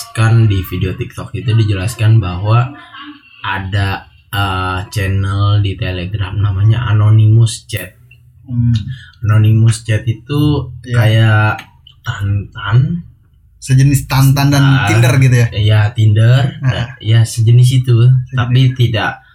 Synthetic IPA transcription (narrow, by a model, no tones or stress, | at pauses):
kandifideot̪ik̚t̪ɔk̚it̪udid͡ʒəlaskanbaɦwa | ʔada | ət͡ʃɛnəldit̪eleɡɾamnamaɲaʔa̰nonimust͡ʃɛt̪̚ | anonimust͡ʃɛt̪it̪ukaja | t̪ant̪an | səd͡ʒənɪst̪ant̪ant̪anindərɡit̪ujajat̪indərajasəd͡ʒənɪs̬it̪ut̪apit̪idaʔ